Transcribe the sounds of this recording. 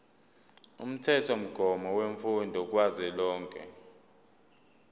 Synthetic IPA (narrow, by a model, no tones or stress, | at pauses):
ṵm̩tʰɛtʰɔm̩ɡ̥ʱɔmɔweɱfundʱɔk̬ʼwazɛlɔːŋkʼɛ̰